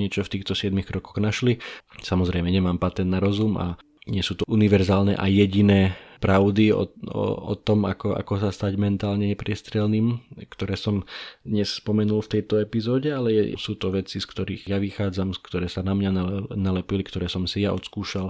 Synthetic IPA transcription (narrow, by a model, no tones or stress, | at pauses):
ɲɪɛt͡ʃɔft̪iːxt̪ɔsɪɛd̪mixkɾɔkɔɣnaʃlisamɔzɾɛɪmɛɲɛmaːmpat̪ɛnd̪naɾɔzuma̰ | ɲɪɛsuːt̪ɔʔuniʋɛɾzaːlnɛ̰ʔajːɛɟinɛːpɾaʊd̪iɔ̰ɔ̰ɔ̰t̪ɔma̰kɔʔa̰kɔsast̪aɟmɛnt̪aːlɲɛɲɛpɾɪɛst̪ɾɛlniːmkt̪ɔɾɛːsɔmd̪ɲɛsspɔmɛnulft̪ɛjt̪ɔɛpizɔːɟɛalɛjɛ̰suːt̪ɔʋɛt͡siskt̪ɔɾiːɣjaʋixaːd͡zamskt̪ɔɾɛːsanamɲanlɛnalɛpilikt̪ɔɾɛːsɔmsijaɔ̰t̪skuːʃal